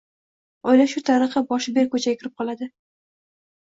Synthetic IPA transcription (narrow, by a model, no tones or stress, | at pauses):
ɒjlaʃʊt̪ʰaɾɨχɨbɒʃɪbe̞ɾkʰɵt͡ʃʰaɡʲakʰʲɪɾɪp̚qʰɒlˠad̪ɪ